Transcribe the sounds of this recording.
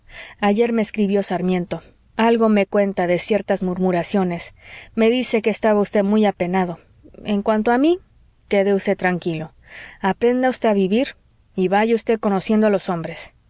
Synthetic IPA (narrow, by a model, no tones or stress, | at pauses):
aʝe̞ɾme̞ːskɾiβjo̞saɾmje̞nt̪o̞ | alɣo̞me̞kwe̞nt̪aðe̞sje̞ɾt̪azmuɾmuɾasjo̞ne̞sme̞ðise̞keːst̪aβaust̪emujape̞naðo̞ | e̞ŋkwant̪̬oami | keðeust̪e̞t̪ɾaŋkilo̞ | apɾe̞nd̪aust̪eaβiβiɾ | iβaʝeust̪e̞ko̞no̞sje̞nd̪oalo̞so̞mbɾe̞s